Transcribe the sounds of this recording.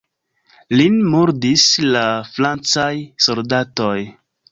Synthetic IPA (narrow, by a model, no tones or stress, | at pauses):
linmuɾdislaflant͡sajso̞ldato̞j